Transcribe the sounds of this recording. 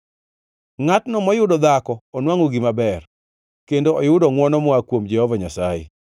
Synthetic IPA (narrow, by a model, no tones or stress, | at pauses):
ŋatnɔmɔjʊdɔd̪akɔːnwaŋoɡimabɛr | kendoɔjʊdɔŋwɔnɔmɔakwomd͡ʒɛhɔvaɲasajḛ